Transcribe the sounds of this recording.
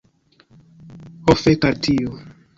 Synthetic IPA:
hofekaɾtʰio

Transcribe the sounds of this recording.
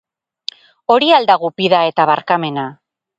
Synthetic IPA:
o̞ɾiald̪aɣupiðae̞t̪aβaɾkame̞na

